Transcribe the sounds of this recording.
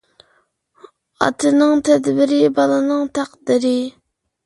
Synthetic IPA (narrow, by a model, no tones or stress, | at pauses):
ɑ̰t̪ʰɨnɨŋt̪ʰɛd̪bɪɾɪbɑlˠɨnɨŋt̪ʰæqd̪ɪɾɪ